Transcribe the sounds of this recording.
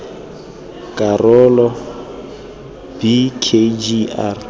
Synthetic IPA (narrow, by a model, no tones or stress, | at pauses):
kʼarɔlɔ | b̥ikʰed͡ʒiar